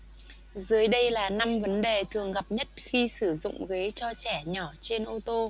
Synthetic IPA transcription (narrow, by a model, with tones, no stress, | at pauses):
zɨ˨˦jɗə˧jlaː˨˩na˧mvə˨˦nɗe˨˩t̪ʰɨ˨˩əŋɣa˨˩p̚ɲə˦˥t̚xi˧sɨ˧˩zʊ̰˧˨ŋ͡mɣe˨˦t͡ɕɔ˧t͡ɕɛ˧˩ɲɔ˧˩t͡ɕe˧nʔo˧t̪o˧